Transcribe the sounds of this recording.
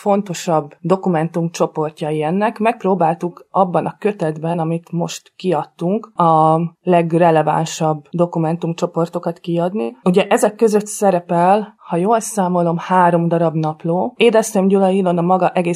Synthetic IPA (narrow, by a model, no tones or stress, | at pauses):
fo̞nt̪o̞ʃɒbːd̪o̞kumɛnt̪umt͡ʃo̞po̞rcɒiɛnːɛkmɛk̚proːbaːlt̪ukɒbːɒnʔɒkø̞t̪ɛd̪bɛnɒmit̪mo̞ʃt̪kiɒt̪ːuŋkɒlɛɡrɛlɛva̰nʃɒbːd̪o̞kumɛnt̪umt͡ʃo̞po̞rt̪o̞kɒt̪kiɒd̪niuɟɛʔɛzɛkːø̞zø̞t̪sɛɾɛpɛlhɒjoːlsaːmo̞lo̞mhaːɾo̞md̪ɒɾɒbnɒploːeːd̪ɛst̪emɟulɒjilo̞nɒmɒɡɒʔɛɡeː